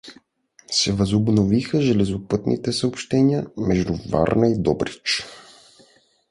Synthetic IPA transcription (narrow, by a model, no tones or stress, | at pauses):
sɛvɐzobnovixəʒɛlɛzopɤt̪nʔḭt̪ɛsɐopʃt̪ɛniəmɛʒd̪uva̰ɾnəid̪ɔbɾit͡ʃ